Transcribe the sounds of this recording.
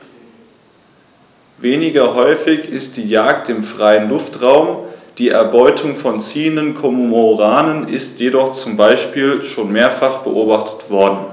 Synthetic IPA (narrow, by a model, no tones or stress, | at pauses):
veːnɪɡɐɦɔʏfɪçɪst̚d̥iːjaːktɪmfʁ̥aɪənlʊftʁaʊmd̥iːʔɛ̰ɐbɔʏtʰʊŋfɔnt͡siːəndənkʰomomoʁaːnənɪstʰjedɔχt͡sʊmbaɪʃpiːlʃoːnmeːɐfaχb̥ə̰ʔoːbaχtʰə̥tv̥ɔɐdn̩